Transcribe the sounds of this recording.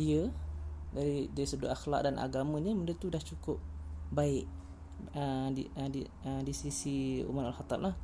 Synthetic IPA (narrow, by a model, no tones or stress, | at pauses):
diə | daɾidaɾisədoʔaxlak̚danʔa̰ɡamə̃ɲəməndət̪udaht͡ʃukʊp̚baɪʔ | ədidi | ədisisiṵmanalxat̪amlah